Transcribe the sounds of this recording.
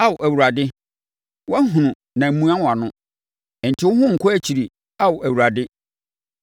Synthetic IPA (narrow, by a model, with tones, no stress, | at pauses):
a˦wʊ˨ʔæ˨wu˨ɾa˨dɪ˦ | wɔ˦ɦũ˨nʊ̃˨ | nã˨m̩˨˦mũ˦ã˦wa˨nʊ̃˦˨ | n̩˨tʰɪ˦wʊ˦ɦʊ̃˦ŋ̩˨kʰɔ˦æ˦t͡ɕʰi˨ɾi˨ | a˦wʊ˨ʔæ˨wu˨ɾa˨dɪ˦